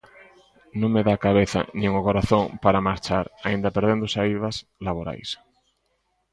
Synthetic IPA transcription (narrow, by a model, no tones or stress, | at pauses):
nõŋmeðakaβ̞eθa̰nĩŋokoɾaθõŋpaɾamaɾt͡ʃaɾaind̪apeɾð̞end̪osaiβaslaβoɾa̰js